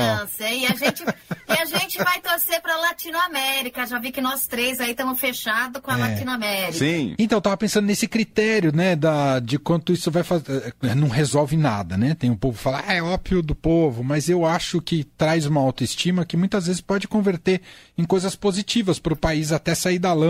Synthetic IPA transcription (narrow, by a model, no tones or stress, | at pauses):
ɐ̃seɪaʒẽnt͡ʃɪɪaʒẽnt͡ʃɪvajt̪oɾsepɾɐlat͡ʃĩnʊamɛɾikɐʒavikɪnɔst̪ɾejzait̪ɐ̃mʊsfeʃad̪ʊkõɐlat͡ʃĩnɐamɛɾiiksĩẽt̪ɐ̃w̃t̪avɐpẽsɐ̃nd̪ʊnesɪkɾit̪ɛɾjʊnɛd̪ɐd͡ʒɪkwɐ̃nt̪ʊisʊvajfazɛnɐ̃w̃ɦezɔwvɪna̰d̪ɐnɛt̪ẽj̃ʊpovʊfalaaɛɔbviʊd̪ʊpovʊmɐzewaʃʊkɪt̪ɾajzũmɐawt̪ʊist͡ʃĩmɐkɪmũj̃t̪ɐzvezɪspɔd͡ʒɪkõveɾt̪eɾ | ẽkojzɐspozit͡ʃivɐspɾʊpaizat̪ɛsaid̪alɐ̃